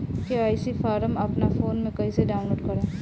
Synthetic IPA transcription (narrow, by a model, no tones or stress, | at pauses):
keaːjsifaːɾəmɐpnafoːnmẽkɐĩseɖaːʊ̃nloːɖkɐɾẽː